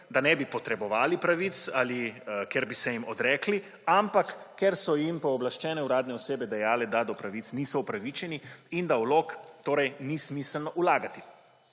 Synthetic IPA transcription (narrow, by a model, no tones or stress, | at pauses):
d̪anɛbipɔt̪ɾɛbɔʋaːlipɾaʋit̪salikɛɾbisɛjimɔd̪ɾɛːkli | ampakːɛɾsɔjimpɔːblaʃt͡ʃɛːnɛuɾaːd̪nɛɔseːbɛd̪ɛjaːlɛd̪ad̪ɔpɾaʋit̪snisɔupɾaʋit͡ʃɛniind̪awloːkt̪oːɾɛjnismiːsəlnɔʔulaːɡat̪i̥